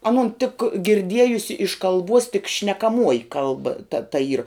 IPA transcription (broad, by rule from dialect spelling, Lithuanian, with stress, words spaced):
ɐˈnʊn tʲɪk ɡʲɪrʲˈdʲiɛjʊsʲɪ ɪʃ kɐlˠˈbuɔs tʲɪk ʃʲnʲɛkɐˈmuɔjɪ ˈkɐlˠbɐ tɐ tɐ iːr